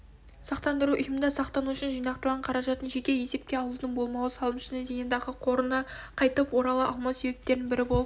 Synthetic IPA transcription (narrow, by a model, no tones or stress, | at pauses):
sɑqt̪ɑnd̪əɾuʔʏjɪmnd̪ɑsɑqt̪ɑnuʏʃɪnʒijnɑqt̪əlˠʁɑɴqʰɑɾɑʒɑt̪ənʒe̞k̪ʲewe̞se̞p̚kʲe̞ɑlˠud̪ənbo̞lˠmɑwəsɑlˠəmʃɪnezejnɑd̪ɑʁəqʰo̞ɾənɑqʰɑjt̪əpwo̞ɾɑlˠəʔɑlˠmɑwse̞bep̚t̪e̞ɾnɪnbɪɾɪbo̞lˠ